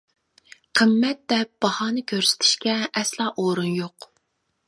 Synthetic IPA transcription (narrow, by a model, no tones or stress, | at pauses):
qʰəmːɛt̪̚d̪ɛp̚b̥ɑhɑːnɨkʲʰøɾsɪ̥t̪ʰɪ̥ʃkʲɛʔɛslˠɑːʔoɾunjoq